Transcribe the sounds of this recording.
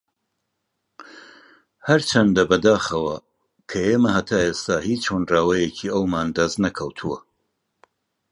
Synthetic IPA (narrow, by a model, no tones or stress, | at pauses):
hɐɾt͡ʃʰɐnd̪ɐbɐd̪aːxɐwɐ | kʰɐeːmɐhɐt̪ʰaːʔeːst̪aːhiːt͡ʃhonraːwɐjecʰiːɐwmaːnd̪ɐznɐkʰɐwt̪ʰuwɐ